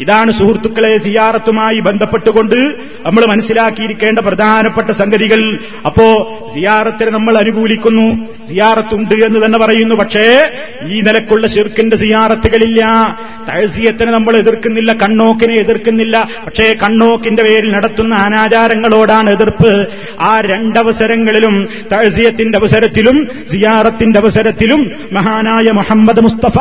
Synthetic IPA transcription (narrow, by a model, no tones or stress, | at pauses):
iðaːɳɨsuhrt̪ːukːɐɭesijaːɾɐt̪ːumaːjibe̞nd̪ʱɐpːeʈːuɣo̞ɳɖɨ | nɐmːɐɭmɐnɐsːilaːkːijiɾikʲːe̞ːɳɖɐprɐd̪ʱaːnɐpːeʈːɐsɐŋɡɐðiɣɐɭ | ɐpːo̞ːɭ | sijaːɾɐt̪ːinenɐmːɐɭɐnubʱuːlikʲːunːu | sijaːɾɐt̪ːuɳɖɨe̞nːɨt̪ɐnːe̞pɐrɐjunːupɐʈʂe̞ | iːnilɐkːuɭːɐɕirkːindesijaːrɐt̪ːuɣɐɭilːɐ | t̪ɐɻsijɐt̪ːinenɐmːɐɭeðirkːunːilːɐkɐɳːo̞ːkːineeðirkːunːilːɐpɐʈʂe̞kɐɳːo̞ːkːinde̞ʋe̞ːɾilnɐɽɐt̪ːunːɐɐnaːt͡ɕaːɾɐŋːɐɭo̞ːɽaːɳeðirpɨ | aːɾe̞ɳɖɐʋɐsɐɾɐŋːɐɭilum | t̪ɐɻsijɐt̪ːindeɐʋɐsɐɾɐt̪ːilum | zijaːrɐt̪ːinde̞ɐʋɐsɐɾɐt̪ːilumː | ɐɦaːnaːjɐmuħɐmːɐd̪must̪ɐfa